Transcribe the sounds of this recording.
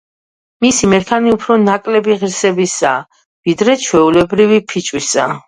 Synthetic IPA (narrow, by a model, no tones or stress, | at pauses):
misimɛɾkʰaniupʰɾɔnakʼlɛbiʁiɾsɛbisaː | vid̪ɾɛt͡ʃʰwɛulɛbɾivipʰit͡ʃʼwisa